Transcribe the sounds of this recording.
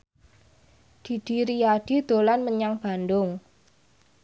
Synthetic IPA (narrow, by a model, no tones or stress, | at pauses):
d̪̥i̤d̪̥iɾijad̪̥i̤d̪̥o̤lanməɲaŋb̥a̤nd̪ʊŋ